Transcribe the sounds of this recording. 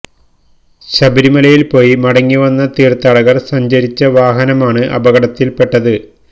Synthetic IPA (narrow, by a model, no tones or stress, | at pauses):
ɕɐbiɾimɐlɐjilpo̞ːjimɐɽɐŋːiʋɐnːɐt̪iːrt̪ɐɽɐɣɐrsɐɲd͡ʑɐɾit͡ɕːɐʋaːɦɐnɐmaːɳɨʔɐ̰bɐɣɐɽɐt̪ːilpe̞ʈːɐðɨ